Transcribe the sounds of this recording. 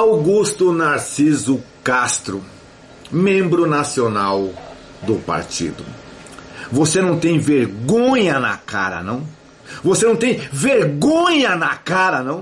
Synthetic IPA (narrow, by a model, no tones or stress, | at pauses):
awɡust̪ʊnaɾsizʊkast̪ɾʊ | mẽmbɾʊnasionaw | d̪ʊpa̰ɾt͡ʃḭd̪ʊ̰ | vosenɐ̃w̃t̪ẽj̃veɾɡõɲɐna̰ka̰ɾɐ̰nɐ̃w̃ | vosenɐ̃w̃t̪ẽj̃veɾɡõɲɐnakaɾɐnɐ̃w̃